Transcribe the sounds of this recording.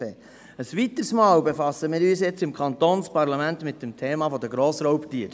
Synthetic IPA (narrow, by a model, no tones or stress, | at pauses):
e | əsʋit̪əɾsmɑːwbefɑsəmɪːɾyːsjɛt͡sɪmkʰɑnt̪oːnspɑɾlɑmæntmɪt̚demtʰeːmɑfɔd̪əɡɾoːsɾɔwptiːəɾ